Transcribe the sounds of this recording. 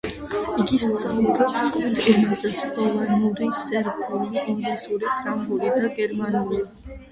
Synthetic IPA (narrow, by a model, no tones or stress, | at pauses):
iɡist̪sʰʼmɡɾɔpt̪ɛt̪ʰɛnazast̪ɔvanuɾisɛɾɡʼɔliʔiŋɡlisuɾipʰɾambuɾid̪aɡɛɾmanuli